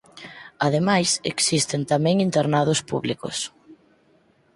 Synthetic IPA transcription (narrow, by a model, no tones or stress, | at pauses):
aðemajsḛksist̪ent̪amɛ̃ŋint̪eɾnað̞ʊspuβlikʊ̰s